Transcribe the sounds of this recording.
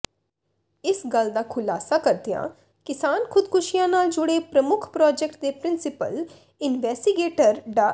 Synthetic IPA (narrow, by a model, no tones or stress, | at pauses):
ɪsɡəld̪aːkʰʊlaːsakəɾd̪ijã̰ː | kɪsaːnkʰʊd̪kʰʊʃijãnaːld͡ʒʊɽepɾəmʊkʰpɾɔːd͡ʒɛk̚ʈ̚d̪eːpɾɪnsɪpə̰l | ɪnʋɛːsʈiɡeːʈəɾɖaː